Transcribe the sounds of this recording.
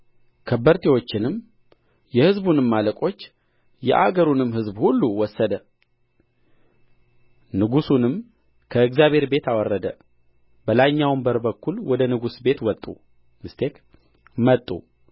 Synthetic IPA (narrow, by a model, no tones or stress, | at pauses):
kʰəbəɾt̪ʰewo̞t͡ʃːɪnɨm | jɛhɨzbunɨmːaləkʼo̞t͡ʃː | jɛ̰ʔaɡəɾunɨmhɨzbhulːuwɔsːəd̪ə | nɨɡusunɨm | kʰəɨɡzjaβhe̞ɾbe̞t̪awɔrːəd̪ə | b̥əlaɲːawmbəɾbəkːulwɔd̪ənɨɡusbe̞t̪wɔt̪ʼːṵ | mɨst̪ʰe̞k | mət̪ʼːṵ